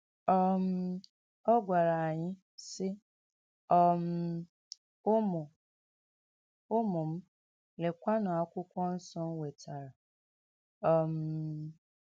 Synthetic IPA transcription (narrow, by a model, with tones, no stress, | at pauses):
ɔ˦m̩˦ | ɔ˦ɡʷa˨ɾa˨a˨ɲɪ˦ | sɪ˦ | ɔ˦m̩˨˦ | mʊ˨ | o˦mʊ˨m̩˦ | le˨kʷa˦na˨a˨kʷʊ˦kʷɔ˦n̩˦sɔ˦n̩˦we˨ta˨ɾa˨ | ɔ˨m̩˨